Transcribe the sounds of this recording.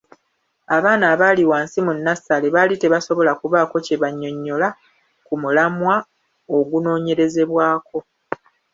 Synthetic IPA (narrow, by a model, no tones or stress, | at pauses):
aβaːnaːβaːliwaːnsimunːasaleβaːlite̞βaso̞βo̞lakuβaːko̞ce̞βaɲːo̞ɲːo̞la | kumulamwa | oɡuno̞ːɲe̞ɾe̞ze̞βwaːko̞